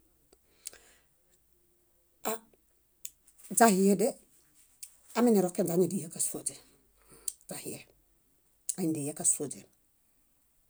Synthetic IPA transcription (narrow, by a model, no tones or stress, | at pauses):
a | d͡ʒahijede | aminiɾokːend͡ʒaɲudijekasod͡ʒe | d͡ʒ̥ahije | aindijekasod͡ʒe